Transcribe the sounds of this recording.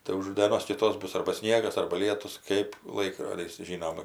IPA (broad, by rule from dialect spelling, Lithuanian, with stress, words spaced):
tɐɪ ʊʃ dʲeːˈnoːs kʲɪˈtoːs ˈbʊs ɐrbɐ ˈsʲnʲiɛɡɐs ɐrbɐ ˈlʲiɛtʊs kɜp ˈlˠɐɪkroːdʲɪs ˈʒʲiːnoːm